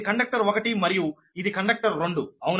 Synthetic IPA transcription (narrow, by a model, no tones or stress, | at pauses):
kɐɳɖɐk̚ʈɐɾokɐʈimɐɾiju | id̪ikɐɳɖɐk̚ʈɐɾːo̞ɳɖuɐwun